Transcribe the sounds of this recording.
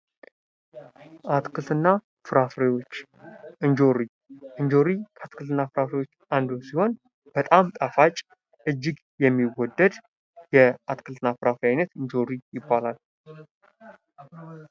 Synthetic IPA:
ʔat̪kʰɨlt̪ʰɨnːa | fɨɾafɾewo̞t͡ʃː | ɨɲd͡ʒoɾi | ʔɨnɲd͡ʒo̞ɾiat̪kʰɨlt̪ɨnːafɨɾafɾewot͡ʃːʔand̪osiho̞n | b̥ət̪ʼamt̪ʼafat͡ʃʼ | ʔɨd͡ʒːɪɡ | jɛmːiwɔd̪ːəd̪ | jɛat̪kʰɨlt̪ʰɨnːafɨɾafɾijajnət̪ɨnd͡ʒo̞ɾijɪbːalal

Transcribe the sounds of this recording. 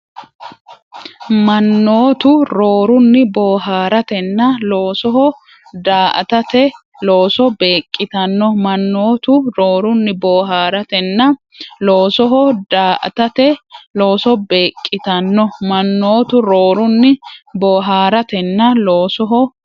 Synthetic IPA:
mɐnːoːt̪ʊɾoːɾʊnːɪboːɦaːɾɐt̪ɛnːɐloːsɔɦɔ | d̪aːʔɐ̰t̪ɐt̪ɛ | loːsɔbeːkʼːɪt̪ɐnːɔmɐnːoːt̪ʊɾoːɾʊnːɪboːɦaːɾɐt̪ɛnːɐ | loːsɔɦɔdaːʔɐ̰t̪ɐt̪ɛlo̞ːsɔbe̞ːkʼːɪt̪ɐnːɔmɐnːoːt̪ʊɾoːɾʊnːɪboːɦaːɾɐt̪ɛnːɐloːsɔɦɔ

